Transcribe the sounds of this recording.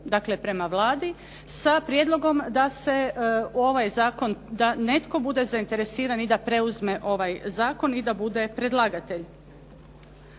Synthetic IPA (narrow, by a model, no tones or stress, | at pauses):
d̪aːkle̞pɾe̞maʋlˠaːd̪i | sapɾjed̪lˠo̞ɡo̞md̪ase̞o̞ʋajzaːko̞nd̪ane̞t̪ko̞bud̪e̞zaint̪e̞ɾe̞siːɾanid̪apɾe̞uzme̞ʔo̞ʋajzaːko̞nid̪abud̪e̞pɾe̞d̪lˠaːɡat̪e̞ʎ